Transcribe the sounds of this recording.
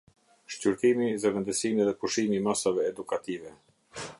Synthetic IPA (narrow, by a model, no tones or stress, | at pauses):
ʃcyɾt̪imiðɛvɛnd̪əsimiðɛpuʃimimasavɛːd̪ukat̪ivɛ